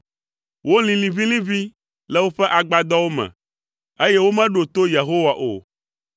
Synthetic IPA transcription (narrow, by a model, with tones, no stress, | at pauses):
wo˦lĩ˨lĩ˨vi˦lĩ˦vi˦ | lɛ˦wo˦ɸɛ˦ʔa˨ɡ͡ba˨d̪ɔ˦wo˦mɛ̰̃˨ | e˦jɛ˦wo˦mɛ̃˦ɖo˨t̪o˦je˨ɦo˦wa˨ʔo̰˨